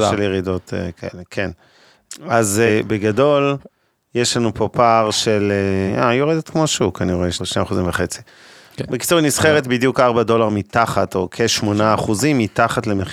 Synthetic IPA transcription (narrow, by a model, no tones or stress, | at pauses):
ʃeljeʁido̞tḛkʰaelekʰen | azebeɡado̞l | jeʃlanupopaʁʃeleajoʁedet̪kmo̞ʃukaniʁoeʃʃnemaχuzimveχe̞t͡si̥ | beki̥t͡suʁnisχeʁet̪̚bid̪jukaʁbado̞laʁmit̪aχato̞kʰeʃmo̞naːχuzimːitaχatleme